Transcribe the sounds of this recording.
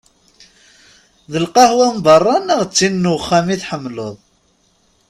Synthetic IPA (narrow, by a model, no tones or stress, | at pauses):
ðəlqɑhwæmbɑrˤːɑnæʁt͡sːinːuχːæmiθħəmːloðˤ